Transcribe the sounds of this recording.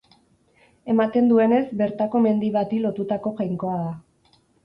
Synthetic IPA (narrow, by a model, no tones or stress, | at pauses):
e̞mat̪e̞nd̪ue̞ne̞zbe̞ɾt̪ako̞me̞nd̪iβat̪ilo̞t̪ut̪ako̞ɣajŋko̞aða